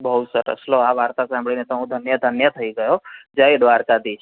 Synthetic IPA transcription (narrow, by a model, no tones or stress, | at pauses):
bəɦusəɾə̰sloaʋaɾt̪asãmbɭinet̪əɦũd̪ʱənjəd̪ʱənjət̪ʰəiɡəjod͡ʒəiɖʋaɾkad̪it͡ʃʰ